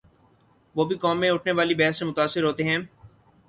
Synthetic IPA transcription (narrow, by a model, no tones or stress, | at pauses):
ʋoːbʱikɔːmːẽʊʈʰneʋaːlibɛɦɛsːẽmʊt̪aːsːɪɾɦoːt̪eɦɛ̃ː